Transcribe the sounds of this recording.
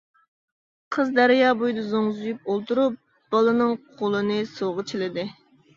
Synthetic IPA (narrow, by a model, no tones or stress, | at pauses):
qʰəzd̪æɾijɑːbujd̪ɨzoŋzujup̚olˠt̪uɾup̚ | b̥ɑlˠɨnɨŋqʰolˠɨnɨsoʁət͡ʃʰilɪd̪ɪ